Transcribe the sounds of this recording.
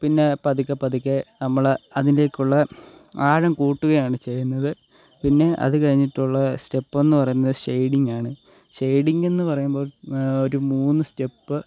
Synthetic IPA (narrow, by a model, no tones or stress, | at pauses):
pinːe̞pɐðukʲːɐpɐðikʲːɐnɐmːɐɭɐðinile̞ːkʲːuɭːɐaːɻɐmkuːʈːuɣɐjaːɳɨt͡ɕe̞junːɐðɨ | pinːe̞ʔɐ̰ðɨkɐɻiɲːiʈːuɭːɐste̞pːe̞nːɨpɐrɐjunːɐðɨʂejɽiŋɡaːɳɨ | ʂejɽiŋɡe̞nːɨpɐrɐjumbo̞ːɭo̞ɾumuːnːɨste̞pːɨ